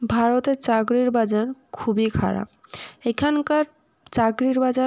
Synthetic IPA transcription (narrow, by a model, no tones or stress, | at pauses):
bʱaɾot̪et͡ɕaɡɾiɾbad͡ʑaɾkʰubikʰa̰ɾa̰b̚ekʰankaɾ | t͡ɕaɡɾiɾbad͡ʑa